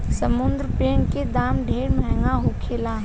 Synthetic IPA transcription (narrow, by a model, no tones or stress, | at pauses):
səmʊnd̪ɾəpɾeːɳked̪aːmɖʱeːɾməɦŋɡaɦokʰeːlaːɦ